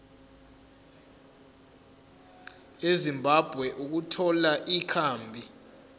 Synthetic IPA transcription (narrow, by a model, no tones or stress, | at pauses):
ezimbʱab̥ʱwɛʔuk̬utʰɔlaʔikʰaːmbʱi